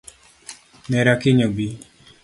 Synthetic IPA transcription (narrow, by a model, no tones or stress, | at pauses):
nɛɾakɪɲobi